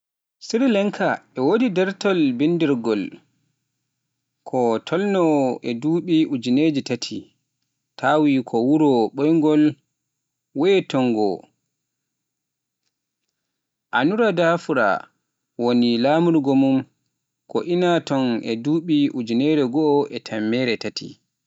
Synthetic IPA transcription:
siɾlɛŋkʰaɛwodidɛɾtɔlbindiɾɡɔl | kʰɔtʰɔlnɔɛduːɓiʔud͡ʒined͡ʒitatʰḭ | tʰaːwikʰɔwuɾɔɓɔjŋɡɔl | wɛtɔŋɡɔ̰ | ʔanuɾadafuɾa̰ | wonilaːmuɾɡɔmum | kɔʔinatɔnɛ̰duːɓiʔud͡ʒinɛːɾɛɡɔːʔɛtʰamːɛːɾɛtatʰḭ

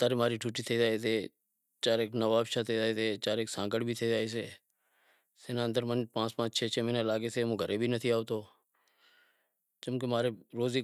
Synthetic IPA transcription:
t̪aːɾemaːɾiʈʰuːʈiːt̪ʰeːd͡ʒaːeseː | t͡ʃaːɾeːknəʋaːbʃat̪ʰeːd͡ʒaːeseːt͡ʃaːɾeːksãːkəɽbʱit̪ʰeːd͡ʒaːeseː | seːnãːənd̪əɾmənpãːt͡ʃmãːt͡ʃʰeːt͡ʃʰeːmiːnelaːɡeseːmõːɡʱəɾebʱinət̪ʰiaːot̪oː | t͡ʃʊmkemaːɾeɾoːziː

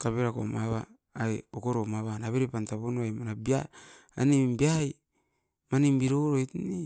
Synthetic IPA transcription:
taβeɾakomaβaː | jokoɾomaβanaβeɾepantaβonoajmanabia | a̰nimbiaj | manimbiɾoɾojtni

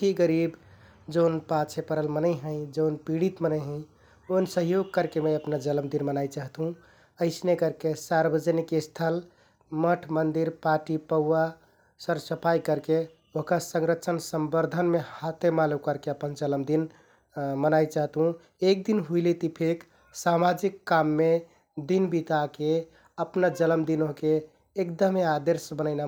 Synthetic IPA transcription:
iɡəɾib | d͡ʒəʊnpat͡ʃʰepəɾəlmənəjɦə̃ɪ̃d͡ʒəwnpiɽit̪mənəɦə̃ɪ̃ | onsəɦjoɡ̚kəɾkemə̃jəpnad͡ʒələmd̪inmənajt͡ʃaɦt̪ɦũ | əɪsnekəɾkesaɾbəd͡ʒənikest̪ʰəl | məʈʰmənd̪iɾpaʈipəwːa | səɾsəpʰajkəɾke | oɦkasəŋɾət͡ʃʰənsəmbəɾd̪ʱənmehat̪emalukəɾkeəpənd͡ʒələmd̪in | mənajt͡ʃaɦt̪ɦũ | ek̚d̪inɦuilet̪ipʰek | samad͡ʒikːamːe | d̪inbit̪ake | əpnad͡ʒələmd̪inoɦkeː | kd̪əmead̪eɾsbənəɪna

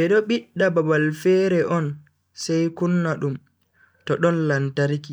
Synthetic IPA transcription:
ɓɛɗɔɓiɗːababalfɛːɾɛʔɔn | sɛjkunːaɗum | tɔɗɔnlantaɾki

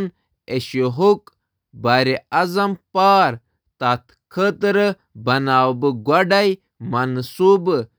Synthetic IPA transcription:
n | eɕoɦuk | baɾiɐzɐmpaːɾ | t̪at̪ʰ | kʰət̪ɾə | bɐnaːwbɨɡwɐɖaj | mɐnsubɨ

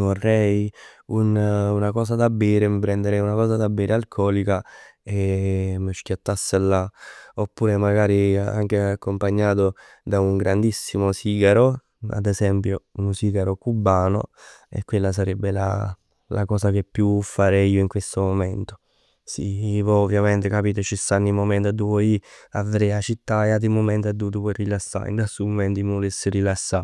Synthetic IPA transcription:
vorːɛjununakɔːsad̪abːɛːɾemipɾɛnd̪eɾɛjunakɔːsad̪abːɛːɾʔealkʰɔːlikaemːəʃkjat̪ːasːelːaopːuːɾemaɡaːɾia̰ŋk̟eakːompaɲːaːt̪o | d̪auŋɡɾand̪isːimosiːɡaɾo | a̰d̪ɛzɛmpjounsiːɡaɾokubːaːno̰ḛkːwelːas̬aɾɛbːela̰ | lakɔːsakepːjufːaɾɛiːoiŋkwest̪omomɛnt̪o̥ | sivɔovːjamɛnt̪ekapiːt̪ot͡ʃist̪anːimomɛnt̪ad̪ːuvɔiavɾɛat͡ʃit̪ːaeat̪imomɛnt̪ad̪ːut̪upɔjrilasːa̰ḭnd̪ast̪ːumomɛnt̪imolesːeɾilasːa̰

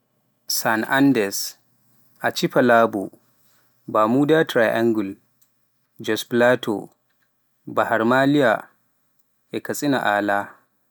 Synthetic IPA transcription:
sanʔandɛɾs | ʔat͡ʃiɸalaːbṵ | baːmuːdaːtɾajʔaŋɡul | d͡ʒɔsplaːtʰo̰ | bahaɾmaːlija̰ | ʔɛkɐsʼina̰ʔaːlaː

